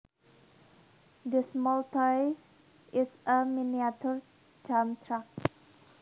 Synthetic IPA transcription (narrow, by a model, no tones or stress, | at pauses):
dəsmɔlt̪ajs | ʔɪsəminiat̪ɔɹ | d͡ʒamt̪ʰɹak̚